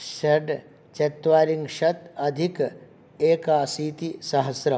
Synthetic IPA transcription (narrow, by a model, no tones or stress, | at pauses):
ʃɐɖ | t͡ʃet̪ʋaːɾiŋɡʃɐt̪ɐd̪ʱik | eːkaːsiːt̪isɐɦɐsɾɐ